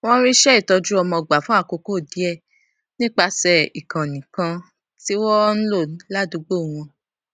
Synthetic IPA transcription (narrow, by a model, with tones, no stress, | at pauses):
w̃ɔ̃˦ɾi˦ʃɛ˦i˦˨tɔ˧d͡ʒu˦ɔ˧mɔ̃˧ɡ͡ba˨fũ˦a˦˨ko˧ko˦˨di˨˦ɛ˦˨ | nĩ˦k͡pa˧sɛ˨i˨kã˨nĩ˨kã˧ | ti˦wɔ˦ñ̩˦lo˦˨˦la˦du˨˧˦ɡ͡bo˦˨w̃ɔ̃˧